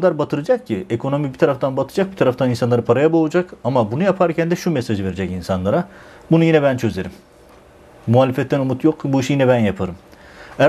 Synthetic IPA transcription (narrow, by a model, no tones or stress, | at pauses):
ad̪aɾbat̪ʰɯɾɯd͡ʒak̚cʰiekʰo̞no̞mibit̪ʰaɾaft̪ʰanbat̪ʰɯ̥d͡ʒak̚bit̪ʰaɾaft̪aninsanˠaɾɯpʰaɾajabolˠud͡ʒakamabunujapʰaɾcʰænd̪ɛʃumɛsaʒɯve̞ɾed͡ʒɛcinsanlˠaɾa | bunujinɛbænt͡ʃʰø̞ze̞ɾimː | uɦaːlʲefɛt̪ʰːænumut̪ʰjokʰːbuiʃjinɛbænjapʰɯɾɯm | æ